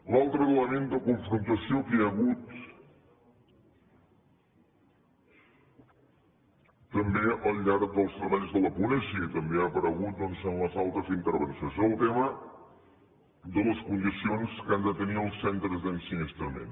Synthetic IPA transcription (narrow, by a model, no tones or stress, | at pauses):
lalˠt̪ɾəələmend̪əkuɱfɾunt̪əsiokəəɣut̪ | əmbeʔəlʎaɾd̪əlˠst̪ɾəβaʎzðələpunɛzit̪əmbeapəɾəɣut̪̚d̪onsənləzalˠt̪ɾəzint̪əɾβənsjosoəlˠt̪emə | d̪ələskund̪isionskand̪ət̪əniəlˠsɛnt̪ɾəzd̪ənsinist̪ɾəmḛn